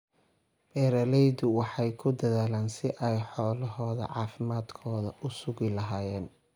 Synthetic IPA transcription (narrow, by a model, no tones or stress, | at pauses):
bɛːɾɐlɛjðʊwɑħɑjkʰʊd̪ɐðaːlaːnsɪʔɛjħɔːlɐɦɔːðɐ̰ʕɑːfɪmaːd̪kʰɔːðɐʔʊsʊɣɪlɐɦaːjɛːn